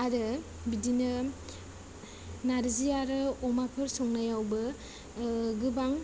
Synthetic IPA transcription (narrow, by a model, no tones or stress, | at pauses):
aɾɯ | bidinɯ | naɾziaɾɯɔmapʰɯɾsɔŋnajawbɯ | ɡɯbaŋ